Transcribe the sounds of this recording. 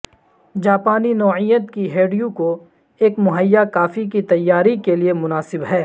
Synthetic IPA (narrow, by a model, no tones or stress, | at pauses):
d͡ʒaːpaːninɔːʕijət̪kiɦeːɖijũko | eːkmʊɦəjːakaːfik̬it̪ɐjːaːɾikeliemʊnaːsɪbɦɛː